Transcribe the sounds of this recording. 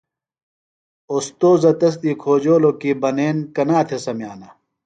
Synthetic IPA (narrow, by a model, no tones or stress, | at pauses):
ost̪oːzɐt̪ɐs̬t̪iːkʰoːd͡ʑoːlokibɐneːnkɐnaːt̪ʰesɐmjaːnɐ